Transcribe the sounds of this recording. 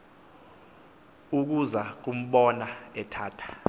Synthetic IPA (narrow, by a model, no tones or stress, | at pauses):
uk̬uzak̬um̩ɓɔnaɛtʰaːtʰḁ